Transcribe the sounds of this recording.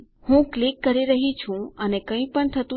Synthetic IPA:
hũklikːəɾiɾəɦit͡ʃʰũənekə̃ĩpəɳt̪ʰət̪ũ

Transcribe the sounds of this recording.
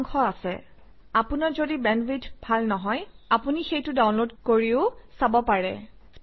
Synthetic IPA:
ŋxɔasɛ | apʊnaɹzodibɛnwidʱbʱalnɔɦɔjapunixejtʊdaw̃nlodkoɹiʊsabɔpaɹɛ̰

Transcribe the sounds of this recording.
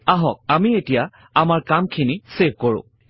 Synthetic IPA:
aɦɔk̚amietija | amaɹkamkʰiniseb̚koɹʊ̰̃

